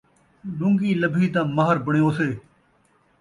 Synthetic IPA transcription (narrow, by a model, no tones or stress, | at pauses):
ɗʊ̃ŋɡiːləbʱiːt̪ãːməɦəɾbəɳjoːseː